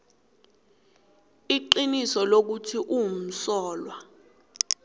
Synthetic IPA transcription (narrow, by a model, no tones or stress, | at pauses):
iǃinisɔlok̬utʰiʔum̩sɔːlwa